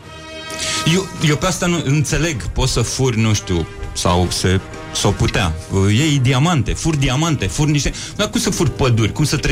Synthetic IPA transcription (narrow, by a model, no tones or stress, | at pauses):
jejewpeast̪anuɨnt̪se̞le̞ɡpo̞t̪səfurʲnuʃt̪ʲusa̰wse | sawput̪ea̰jejd̪iamant̪e̞furʲd̪iamant̪e̞furʲniʃt̪e | d̪akumsəfurʲpəd̪urʲkumsət̪ɾe